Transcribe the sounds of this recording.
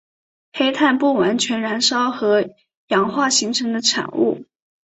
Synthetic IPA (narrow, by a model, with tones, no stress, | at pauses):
xe˥ɪt̪ʰa˥˧npu˥˩wa˧˥nt͡ɕʰɥɛ˧˥nɻa˧˥nʂɑ˥ʊxɤ˧˥ | jɑ˨˩ŋxwa˥˩ɕi˧˥ŋʈ͡ʂʰɤ˧˥ŋd̪ə˧ʈ͡ʂʰa̰˨˩nṵ˥˩